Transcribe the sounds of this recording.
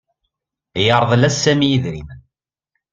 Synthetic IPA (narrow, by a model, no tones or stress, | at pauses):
jəɾˤðˤlæsːæmijiðɾḭm